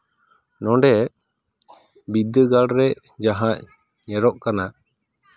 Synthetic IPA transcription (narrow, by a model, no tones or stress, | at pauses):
nɔ̃ɳɖɛ | bid̪əɡalɾɛ | d͡ʒaɦãʔ | ɲɛɾɔʔkana